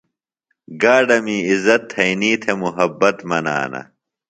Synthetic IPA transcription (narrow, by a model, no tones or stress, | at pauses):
ɡaːɖɐmiːizɐt̪ʰːɐjniːt̪ʰemuɦɐbːɐt̪mɐna̰ːnɐ̰